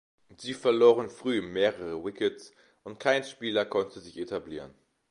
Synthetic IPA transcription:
z̥iːfɛɐloːʁ̞ənfʁ̥yːmeːʁəʁəwɪkəts | ʔʊntkʰaɪnʃpiːlɐkʰɔntʰəzɪçetʰabliːʁən

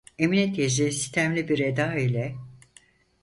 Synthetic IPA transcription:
eminɛt̪jeʒesi̥st̪ʰæmlʲibiɾed̪aːilʲɛ

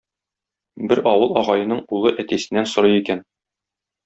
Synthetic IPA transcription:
bɘɾɒwɤlˠɒʁɑjɤ̆nɤɴulˠɤʔæt̪æsɘ̆nːænsŏɾɤjikæn

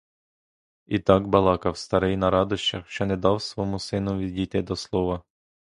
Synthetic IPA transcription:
it̪ɑkbɐlˠɑkɐwst̪ɐɾɛjnɐɾɑd̪ʊʃt͡ʃɐxʃt͡ʃɔnɛd̪ɑwsʋɔmusɪnʊʋʲidʲit̪ɪd̪ɔslˠɔʋɐ

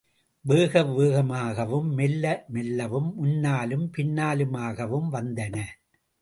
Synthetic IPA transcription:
ʋeːɣɐʋeːɣɐmaːɣɐʋɯmːɛlːɐmɛlːɐʋɯmːʊnːaːlɯmpɪnːaːlɯmaːɣɐʋɯmʋɐnd̪ɐnɐ

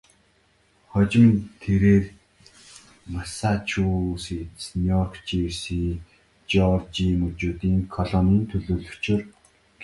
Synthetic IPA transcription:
χɔt͡ɕɪ̆mt̪ʰeɾeːr | masat͡ɕʰusit͡snijɔrkt͡ɕiwsi | t͡ɕɔrt͡ɕimɵt͡ɕuːt̪iːŋkʰɔɮɔnə̆nt̪ʰɵɮoːɮɵ̆t͡ɕʰɪ̆r | ɡ

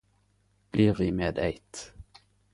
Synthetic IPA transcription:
b̥liːʁʋiːmeːd̪æɪt̪

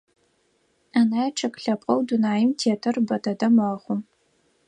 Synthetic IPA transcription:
anajɛʈ͡ʂʰɐkʼɬɐpʼɐwdunaːjɪmtʰeːtʰɐrbɐdɐdɐmɐχʷʊm

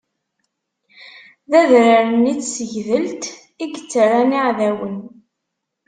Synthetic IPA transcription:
ðæðɾaɾənit͡sːsəʝðəlt̪ | iɡət͡sːərˤaniʕðæwən

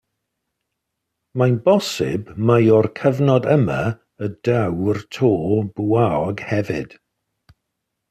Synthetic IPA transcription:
manbɔsɪ̰bmajɔrkʰəvnɔdəma̰ | ədawrtʰoːbuaɔɡhɛvɪ̰d̥

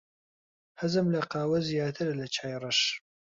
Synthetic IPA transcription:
hɐzɨmlɐqɑːwɐzijaːt̪ʰɨɾlɐt͡ʃʰaːjrˤɨʃ

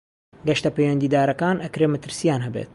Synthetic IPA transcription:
ɡɐʃt̪ɐpejwɐnd̪iːd̪aːɾɐkaːnʔɐkɾeːmɐt̪ɨɾsijaːnɦɛbḛːt̪̚

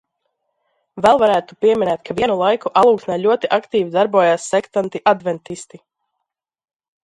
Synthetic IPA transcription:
vɛlˠvaɾæːt̪upiɛmʲinɛːt̪̚kʰaviɛnulˠajkuʔalˠuːksnaːlʲuɔt̪iʔakt̪iːvid̪aɾbuɔjaːsːɛkt̪ant̪iʔad̪vɛnt̪ist̪i

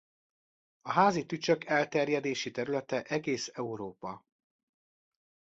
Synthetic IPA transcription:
ɒɦaːzit̪yt͡ʃøkɛlt̪ɛrjɛd̪eːʃit̪ɛɾylɛt̪ɛʔɛɡeːsɛuɾoːpɒ

